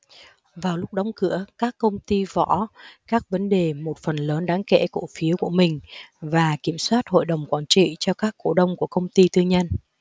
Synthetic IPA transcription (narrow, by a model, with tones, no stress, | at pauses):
vaː˨˩wlʊ˦˥k͡p̚ɗa˨˦ŋ͡mkɨ̰˧˥əkaː˦˥kːə˧wŋ͡mt̪i˧vɔ̰˧˥kaː˦˥k̚və˨˦nɗe˨˩mo˨˩t̚fə˨˩nləː˨˦nɗaː˨˦ŋkḛ˧˥ku˧˩fi˨˦əwku˧˩əmï˨˩ŋ̟vaː˨˩ki˧˩əmswaː˦˥t̚ho̰˧˨jɗə˨˩wŋ͡mkwaː˨˩nt͡ɕḭ˧˨t͡ɕɔ˧kaː˦˥kːo˧˩ɗə˧wŋ͡mku˧˩əkə˧wŋ͡mt̪i˧t̪ɨ˧əŋɲə˧n